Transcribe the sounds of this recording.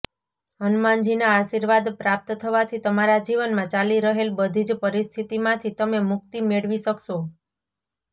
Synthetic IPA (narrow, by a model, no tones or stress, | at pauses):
ənmãnd͡ʒinaːʃiɾʋad̪pɾap̚t̪t̪ʰəʋat̪ʰit̪əmaɾad͡ʒiʋənmãt͡ʃaliɾəɦelbəd̪ʱid͡ʒpəɾist̪ʰit̪imãt̪ʰit̪əmemʊk̚t̪imeɽʋiʃəkʃo